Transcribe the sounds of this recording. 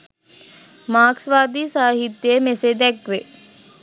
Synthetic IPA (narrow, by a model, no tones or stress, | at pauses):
maːksʋaːd̪iːsaːɦit̪jəəmesed̪ɛkʋe